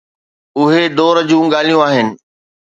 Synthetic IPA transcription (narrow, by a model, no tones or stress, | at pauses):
ʊɦed̪oːɾəd͡ʑũːɡaːl̤ijũaːɦɪnɪ̆